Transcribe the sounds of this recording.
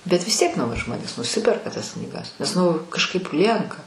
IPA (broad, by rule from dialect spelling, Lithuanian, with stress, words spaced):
bʲɛt ʋʲɪs ˈtʲiɛk ˈnɐʊjɪ ˈʒmoːnʲeːs nʊˈsʲɪpʲɛrkɐ tɐs knʲiːˈɡɐs nʲɛs ˈnʊ kɐʃˈkɐɪp ˈlʲiɛŋkɐ